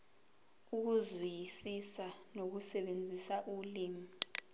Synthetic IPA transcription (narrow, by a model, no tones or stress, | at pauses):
uk̬uzwijisisanok̬usɛɓend͡zʱisaʔuliːmii